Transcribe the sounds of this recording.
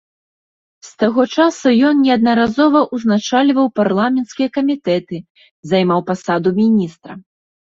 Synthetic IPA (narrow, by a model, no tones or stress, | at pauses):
st̪aɣɔt͡ʂasujɔnnʲɛɐd̪nɐɾazɔvɐʔuznat͡ʂalʲvɐwparlˠamʲɛnt̪skʲijɐkɐmʲit̪ɛt̪ɨ | zajmawpasad̪umʲinʲist̪ɾɐ